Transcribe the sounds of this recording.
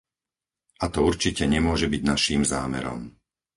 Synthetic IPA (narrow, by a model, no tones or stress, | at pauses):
at̪ɔuɾt͡ʃicɛɲɛmʊɔʒɛbiɟnaʃiːmzaːmɛ̰ɾɔ̰m